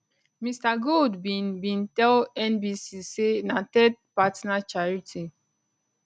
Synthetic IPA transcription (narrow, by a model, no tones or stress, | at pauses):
mistaɡoldbibĩntɛlɛnbisisenatɛt̚patnat͡ʃaɹitʰi